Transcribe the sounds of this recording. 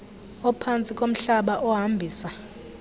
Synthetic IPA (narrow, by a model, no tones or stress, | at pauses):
ɔpʰant͡sʼikʼom̩ɬaɓaʔɔɦambʱiːsa